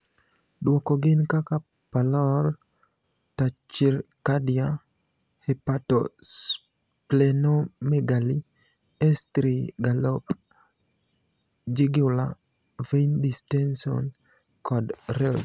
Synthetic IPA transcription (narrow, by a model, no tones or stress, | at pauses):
dwɔkɔɡɪnkaka | palɔr | tat͡ʃiɾkadja | hepatɔs | plɛnomeɡali | ɛstɾiɡalɔp | d͡ʒɪɡʊla̰ | vendistɛnsiɔ̰n | kʰɔdrɛls